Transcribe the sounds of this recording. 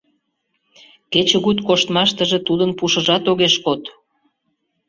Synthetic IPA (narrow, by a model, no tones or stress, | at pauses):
ket͡ɕə̆ɣut̪koʃt̪mɑʃt̪əʒet̪ud̪ənpuʃə̆ʒɑt̪oɣeʃkot̪